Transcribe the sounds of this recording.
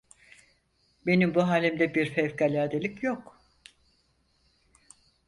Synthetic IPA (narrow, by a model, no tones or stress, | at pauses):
be̞nimbuɦaːlʲimd̪ɛbiɾfɛvkalʲaːd̪elʲicjok